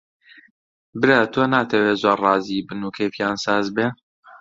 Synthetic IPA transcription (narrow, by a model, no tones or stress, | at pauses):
bɨɾat̪ʰoːnaːt̪ʰɛweːzorrɑːziːbɨnuːkʰeːfijaːnsaːzbe